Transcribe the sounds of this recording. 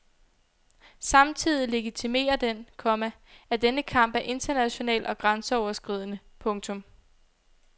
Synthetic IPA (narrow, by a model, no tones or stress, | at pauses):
sɑ̈mt͡sʰið̞̰ˠile̝ɡ̥it͡sʰime̝̰ːɐd̥enkʰɒ̽mæ | æɐd̥enəkʰɑ̈m̰b̥æʔe̝nd̥ɐnæɕo̝nɛ̰ːlɒ̽ɡ̥ʁɑnsəɒʊɐsɡ̥ʁið̞ˠnə | pʰɔ̽ŋt͡sʰɔ̽m